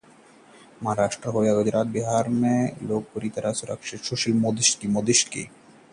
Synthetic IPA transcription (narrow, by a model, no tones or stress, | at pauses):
maaɾaʃʈɾaɦoeaɡod͡ʑɾʔat̪̚biɦaɾmelok̚poɾit̪aɾasuɾa̰kʃeʃoʃilmod̪iʃkimod̪iʃkḭ